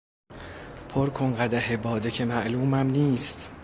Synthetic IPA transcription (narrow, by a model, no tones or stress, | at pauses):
pʰoɾkʰoŋɢæd̪æɦebɒːd̪ecʰemæʔluːmæmniːst̪